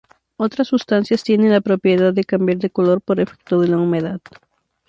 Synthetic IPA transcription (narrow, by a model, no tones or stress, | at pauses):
o̞t̪ɾasːust̪ansjast̪je̞nenlapɾo̞pje̞ðaðːe̞kambjaɾðe̞kolo̞ɾpo̞ɾefe̥k̚t̪oðelaumeðað